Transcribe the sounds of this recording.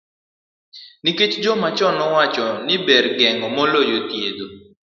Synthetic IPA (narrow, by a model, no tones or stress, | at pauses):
niket͡ʃd͡ʒɔmat͡ʃɔnɔwat͡ʃɔnɪbɛrɡɛŋɔmɔlojotjed̪o